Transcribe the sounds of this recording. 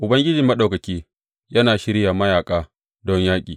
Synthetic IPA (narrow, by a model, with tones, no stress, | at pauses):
ʔʊ˨bɐ˦ŋɡʲɪ˦d͡ʒɪ˨mɐ˦ɗa˨wkɐ˨kʲiː˦ | jɐ˦naː˨ʃɪ˦ɾja˨mɐ˦jaː˨kʼaː˦ | dɔ˦ɲjaː˦kʲʼiː˨